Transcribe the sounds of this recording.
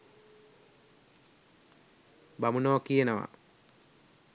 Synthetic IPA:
bamunoːkijenəʋa̰

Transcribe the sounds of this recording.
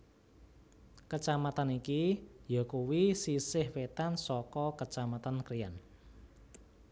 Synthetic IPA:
kət͡ʃamat̪anikijɔkuwisisɪhwet̪ansɔkɔkət͡ʃamat̪ankɾijan

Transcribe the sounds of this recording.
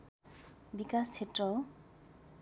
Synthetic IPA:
bikʼast͡sʰetʼɔ

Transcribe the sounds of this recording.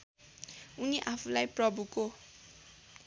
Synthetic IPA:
uniʔapʰulajprʌbʱuko

